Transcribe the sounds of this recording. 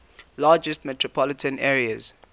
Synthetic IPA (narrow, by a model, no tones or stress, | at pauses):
laːd͡ʒɛstmɛtɹɔpʰɔlɪtʰə̃nɛːɹiəz̥